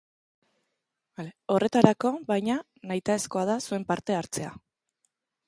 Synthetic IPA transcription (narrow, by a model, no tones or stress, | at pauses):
aleo̞re̞t̪aɾako̞βajɲa | najt̪ae̞sko̞aðasue̞mpaɾt̪e̞aɾt͡se̞a